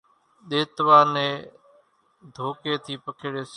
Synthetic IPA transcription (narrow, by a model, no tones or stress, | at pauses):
ɗeːt̪ʋaːnẽː | d̪ʱoːkeːt̪ʰiːpəkʰɪːɽeːs